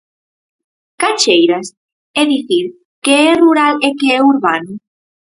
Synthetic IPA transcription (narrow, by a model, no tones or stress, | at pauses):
kat͡ʃejɾas | eðiθiɾ | keɛruɾalekeɛuɾβanu